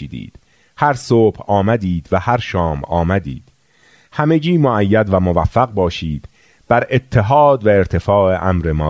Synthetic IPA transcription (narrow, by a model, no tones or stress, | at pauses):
iːd̪ḭːd̪̥ | hæɾsoːb̥hɒːmæd̪iːd̪væhæɾʃɒːmɒːmæd̪ḭːd̪̥ | hæme̞ɟiːmoʔæjːæd̪væmovæfːæɣbɒːʃiːd̪̥ | b̥æɾe̞t̪ʰːe̞ɦɒːd̪væeɾt̪ʰe̞fɒːeʔæmɾemɒː